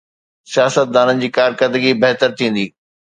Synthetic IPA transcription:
sijaːsət̪̚d̪aːnənɪ̆d͡ʑiːkaːɾkəɾd̪əɡibeɦt̪əɾt̪ʰĩːn̆d̪iː

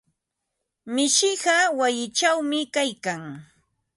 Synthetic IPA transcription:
mɪʃɪɢɑwajɪt͡ʃawmɪkajkaŋ

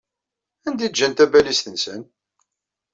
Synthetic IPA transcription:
ænd̪id̪d͡ʒːænt̪æbælist̪ənsən

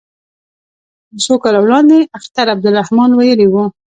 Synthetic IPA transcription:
d̪əsokɑlawlɑnd̪eaxt̪aɾab̚d̪ʊɾahmɑnwajəliwu

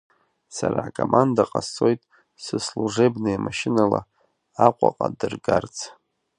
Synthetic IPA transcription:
saɾaːkʼomʔandaqʼaso̞jtʼ | sɨsluʐebnɨamaʃɪnala | aqʷʼaqʼadɨrɡart͡sʰ

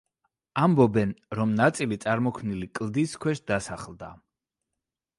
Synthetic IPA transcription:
ambɔbɛnɾɔmnat̪sʼilit̪sʼaɾmɔkʰmnilikʼlˠd̪iskʰwɛʃd̪asaχlˠd̪a̰

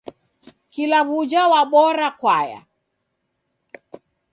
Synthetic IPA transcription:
kilaβud͡ʒawaɓɔɾakwaja̰

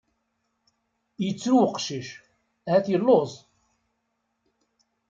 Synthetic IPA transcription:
jət͡sːɾuwəqʃiʃ | hæθjəlːozˤ

